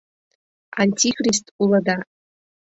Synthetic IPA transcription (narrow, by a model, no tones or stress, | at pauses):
anʲtʲʰikristʰʼulada